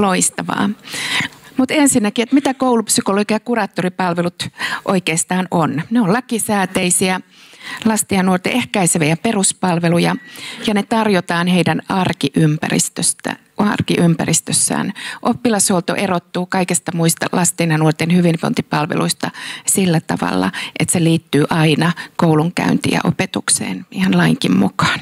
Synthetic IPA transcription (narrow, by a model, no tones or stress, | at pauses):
loist̪ɑʋɑ̰ː | mut̪ensinːækiet̪mit̪ækoulupsykoloɡɑjɑkurɑːt̪ːoripɑlʋelut̪ʔo̰ikeːst̪ɑːnonneollɑkisæːt̪eisiæ | lɑst̪iɑnnuort̪ḛʔehkæiseʋijæperuspɑlʋelujɑjɑnet̪ɑrjot̪ɑːnheidænɑrkiʔympæ̰rḭst̪øst̪æ̰ | ɑrkiʔympæ̰rist̪øsːæ̰ːnʔopːilɑsholt̪o̰ʔerot̪ːuːkɑikest̪ɑmuist̪ɑ̰lʔɑst̪inɑnuort̪enhyʋinʋo̰nt̪ipɑlʋḛluist̪ɑsilːæt̪ɑ̰ʋɑ̰lːɑ̰ʔet̪seliːt̪ːyːʔɑinɑkouluŋkæ̰ynt̪ḭæ̰ʔo̰pet̪uksḛːnihɑnlɑiŋkimmukɑ̥ːn